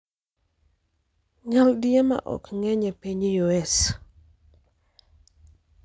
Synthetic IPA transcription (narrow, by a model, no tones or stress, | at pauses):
ɲaldiema̰ʔɔ̰kŋɛɲɛpeɲjoɛs